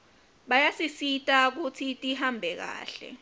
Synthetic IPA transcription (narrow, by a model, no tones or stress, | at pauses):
ɓajasisitʼak̬utʰitʼihambʱɛk̬a̰ːɬɛ̰